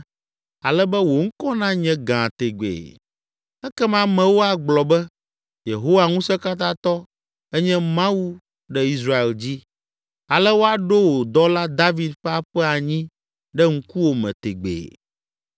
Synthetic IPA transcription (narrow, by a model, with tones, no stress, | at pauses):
a˨lɛ˦bɛ˦wo˨ŋ̩˦kɔ˦nã˦ɲɛ̃˦ɡã˨t̪e˨ɡ͡bḛː˨ | ɛ˦kɛ˦mã˦mɛ̃˨wo˦a˨ɡ͡blɔ˨bɛ˦ | je˨ɦo˦wa˨ŋũ˦sɛ˦ka˦t̪̬ã˦t̪ɔ˦ | ɛ˦ɲɛ̃˦mã˦wu˦ | ɖɛ˦i˦sɾa˦e˨ld͡ʑi˦ | a˨lɛ˦wo˦a˨ɖo˦wo˨d̪ɔ˦la˦d̪a˦vi˨d̪ɸɛ˦a˦ɸɛ˦a˨ɲĩ˦ | ɖɛ˦ŋ̩˦ku˦wo˨mɛ̰̃˨t̪e˨ɡ͡bḛ˨